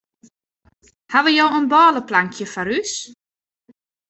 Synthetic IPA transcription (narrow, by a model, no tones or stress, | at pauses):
haʋəjowənbɔːləplaŋkʰjəfaɾys